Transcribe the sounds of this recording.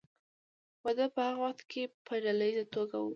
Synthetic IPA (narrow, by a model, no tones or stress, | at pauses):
wad̪əpəhaɣawaxt̪kʰepʰəɖalaizat̪oɡawu